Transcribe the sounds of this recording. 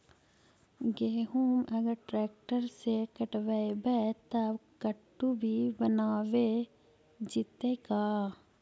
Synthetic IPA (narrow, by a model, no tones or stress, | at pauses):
ɡeːɦumʔɐɡəɾʈɾɛːk̚ʈəɾsekɐʈʋaebɛt̪ɐbkɐʈːubʱibənaːʋe | d͡ʒɪt̪ekaː